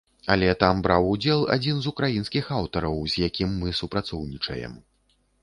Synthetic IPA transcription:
alʲɛt̪ambɾawud͡zʲɛlˠa̰d͡zʲinzukɾajinskʲixawt̪ɐɾɐwzʲjakʲimːɨsupɾat̪sɔwnʲit͡ʂɐ̰jɛ̰m

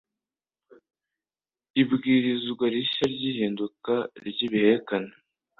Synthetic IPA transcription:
ibɡiːɾizɡwaɾiʃaɾɟiːɦiːndukaɾɟiːβihe̞ɾekane

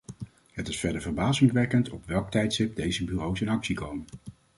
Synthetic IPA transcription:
ɦətɪsfɛɹdəɹvəɹbaːzɪŋʋɛkəntɔpʋɛlˠk̚tɛjtsɪp̚dejzəbyːrowsɪnɑksikowmən

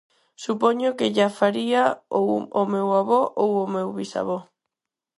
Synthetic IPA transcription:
supɔɲʊkeʎafaɾiaowomewaβɔʔowomewβisa̰βɔ

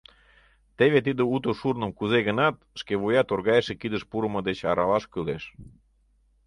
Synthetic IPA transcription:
t̪eβet̪id̪əut̪oʃurnə̆mkuzeɣənɑt̪̚ʃkeβojɑt̪orɣɑjəʃekid̪əʃpuɾə̆məd̪et͡ɕɑɾɑlɑʃkyleʃ

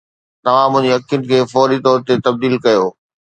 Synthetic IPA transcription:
t̪ɐʋ̤ãmʊ̃ɦɪ̃ɲd͡ʑeɐkʰjʊnɪ̆kʰeːfɔːɾit̪ɔːɾt̪et̪ɐb̚d̪iːlkɐjoː

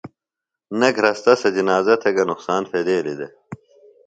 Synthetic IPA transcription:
nɐɡʱɾɐst̪ɐsɐd͡ʑinaːzɐt̪ʰeɡɐnuqsaːnfeːd̪eːlid̪e

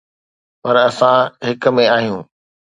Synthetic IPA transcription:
pɐɾɐsãɦɪkmẽaːɦijũː

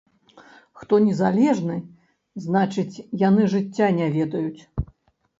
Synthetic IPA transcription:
xt̪ɔnʲɛzalʲɛʐnɨ | znat͡ʂɨt͡sʲjanɨʐɨt͡sʲːanʲavʲɛd̪ɐjut͡sʲ

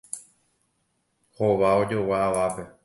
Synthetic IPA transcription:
ho̞ʋao̞d͡ʒo̞waaʋape̞

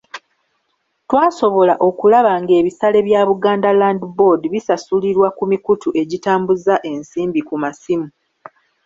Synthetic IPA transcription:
twaːso̞βo̞laʔo̞kulaβaŋɡe̞ːβisale̞βjaβuɡaːndalandibo̞diβisasuliɾwakumikutuʔe̞ɟitaːmbuzaʔe̞nsiːmbikumasimu

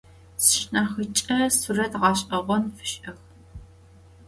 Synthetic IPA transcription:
sɨʃnaːxɨt͡ʃʼɐsurɐtʁɑːɕʼɐʁʷɔnfɨ̥ɕʼʔɐx

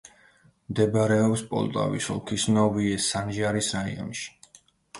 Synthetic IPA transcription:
md̪ɛbaɾɛɔpspʼɔ̰lˠt̪ʼa̰vḭsɔ̰lˠkʰisnɔviɛsanʒaɾisɾaḭɔ̰nʃi̥

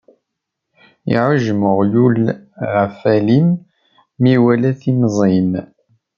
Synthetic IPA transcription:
ḭʕəʒməʁjulʁæfælimː | iwælæθimzˤim

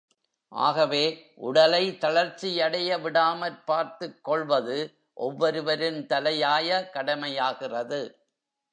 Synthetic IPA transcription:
ʔa̰ːɣɐʋeːʔʊɽɐlɐɪt̪ɐɭɐɾt͡ʃːɪjɐɽɐjɐʋɪɽaːmɐɾpaːɾt̪ɯkːɔɭʋɐðɯ | ʔɔʋːɔɾɯʋɐɾɯnt̪ɐlɐjaːjɐkɐɽɐmɐjaːɣɪrɐðɯ

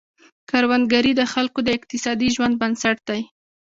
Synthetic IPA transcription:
kaɾwand̪ɡaɾid̪əxalkod̪əɪqt̪ɪsɑd̪iʒwand̪̚bansaʈ̚d̪aj

